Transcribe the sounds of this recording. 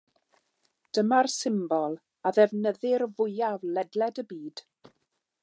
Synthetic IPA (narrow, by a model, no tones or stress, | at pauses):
d̥əmarsɪmbɔlˠ | aðɛvnəðɪrvʊjavlɛdlɛdəbiːd̥